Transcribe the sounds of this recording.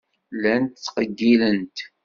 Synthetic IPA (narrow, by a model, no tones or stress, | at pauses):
lænt̪t͡sːqəɡːilənt̪